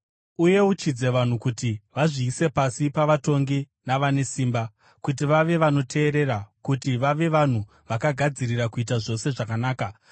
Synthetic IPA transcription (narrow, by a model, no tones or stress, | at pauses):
uje̞ut͡ʃid͡ze̞ʋan̤ukutiʋaʐiːse̞pasipaʋato̞ŋɡi | naʋane̞siːmba | kut̬iʋaʋe̞ʋano̞tʰe̞ːɾe̞rakutiʋaʋe̞ʋan̤u | ʋakaɡʱad͡zirirakuit̬aʐo̞se̞ʐakanaːka